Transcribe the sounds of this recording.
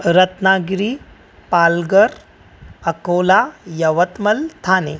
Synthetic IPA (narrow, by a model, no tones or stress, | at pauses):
ɾət̪naːɡɾiː | paːlɡəɾ | əkolajɐʋət̪məlt̪ʰaːne